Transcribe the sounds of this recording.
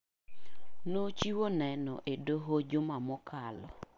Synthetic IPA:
not͡ʃiwonɛnɔ̰ʔedoɦod͡ʒʊmamʊkʰalɔ̰

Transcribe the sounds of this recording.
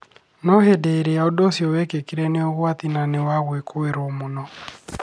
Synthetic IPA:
nɔhedɛeɾeaodosiɔwɛkekeɾɛneoɣwatinanewaɣwekʰoeɾomonɔ

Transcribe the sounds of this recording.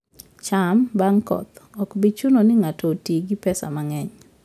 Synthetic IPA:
t͡ʃambaŋkɔ̰t̪ɔkbit͡ʃunonɪŋatotiɡɪpɛsa̰maŋɛɲ

